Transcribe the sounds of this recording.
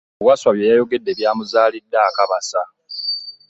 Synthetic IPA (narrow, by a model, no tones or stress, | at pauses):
waswaβje̞jajo̞ɡe̞dːe̞βjaːmuzaːlidːaːkaβasa